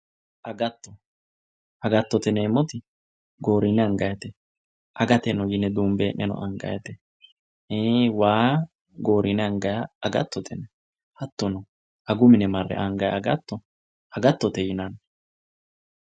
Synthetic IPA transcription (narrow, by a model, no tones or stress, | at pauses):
ʔɐɡɐt̪ːɔ | ɐɡɐt̪ːɔt̪ɛnemːɔt̪ɪ | ɡo̞ːɾɪnɛɐŋɡɐjɐt̪ɛ | ʔɐɡɐt̪ɛnɔjɪnɛd̪uːmbeːnːɛnɔ̰ʔɐŋɡɐ̰jɐt̪ɛ | ewaː | ɡo̞ːɾɪnɛɐŋɡɐjaɐɡɐ̰t̪ːɔt̪ʰɛnɛ | hɐt̪ːɔnɔ | ɐɡʊmɪnɛmɐrːɛ̰ʔɐŋɡɐjɐɡɐt̪ːɔ | ɐɡɐt̪ːɔt̪ɛjɪnɐn